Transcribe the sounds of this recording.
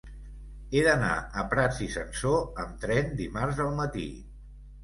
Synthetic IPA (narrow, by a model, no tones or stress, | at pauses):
eðəna̰əpɾad͡zisənsoəmt̪ɾɛnd̪imarzəlˠmət̪ḭ